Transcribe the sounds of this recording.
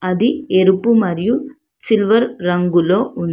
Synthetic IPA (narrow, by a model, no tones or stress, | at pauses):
ɐðɯɛɾɯpːɯmɐɾɪju | sɪlʋɐɾːɐŋɡɯloːʔʊn